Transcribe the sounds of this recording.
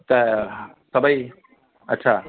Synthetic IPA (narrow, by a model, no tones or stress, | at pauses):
t̪ʌ | sʌbʌj | ʌtːsʰa